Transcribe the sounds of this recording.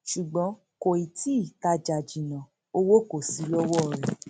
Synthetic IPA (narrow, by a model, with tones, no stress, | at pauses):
ʃu˨ɡ͡bɔ̃˨˦ | ko˨i˨ti˦i˦˨ka˧d͡ʒa˨d͡ʒi˨nã˨ | o˦wo˦ko˨si˨˦lɔ˦wɔ˦˨ɾɛ˨